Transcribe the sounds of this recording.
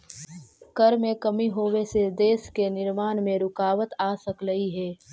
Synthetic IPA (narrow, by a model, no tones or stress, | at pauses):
kɐɾmẽkɐmiɦoːʋesed̪eːskenɪɾmaːnmẽɾʊkaːʋət̪aːsɐkɾəiɦɛː